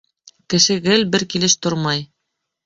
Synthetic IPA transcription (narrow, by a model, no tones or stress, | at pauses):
kɘ̆ʃɘ̆ɡɘlbɘɾkilɘʃt̪oɾmɑj